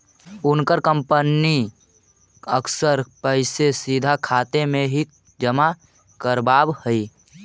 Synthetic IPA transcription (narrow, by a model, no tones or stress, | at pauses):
ʊnkəɾkə̃mpəni | əkʰsəɾpəɪsesid̪ʱakʰaːt̪emẽɦi | d͡ʒəma | kəɾbaːbhəi